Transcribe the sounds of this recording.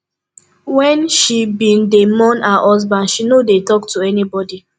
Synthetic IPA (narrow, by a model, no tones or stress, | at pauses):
wɛ̃nʃibĩndemɔ̃naʔɔz̬bãndʃinodetɔktuɛnibɔdi